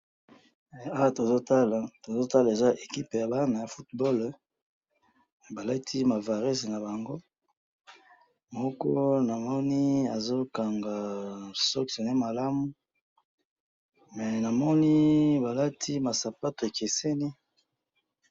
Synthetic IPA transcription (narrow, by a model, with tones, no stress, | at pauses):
mɛ˨a˦wa˨to˨zo˦ta˦la˨to˨zo˦ta˦la˨e˨za˦ʔe˨ki˦pe˨ja˨ba˦na˨ja˨fu˦t̚bɔ˦l | ba˨la˦tʰi˦ma˨va˨ʁɛ˦sna˨ba˨ŋɡo˦ | mɔ˦kɔ̰˦na˨mɔ˦ni˦a˨zo˦ka˨ŋɡa˨sɔ˦kso˨ne˦ma˨la˦mu˨˦ | mɛ˨na˨mɔ˦ni˦ba˨la˦tʰi˦ma˨sa˨pa˦to˨e˨ke˨se˦ni˦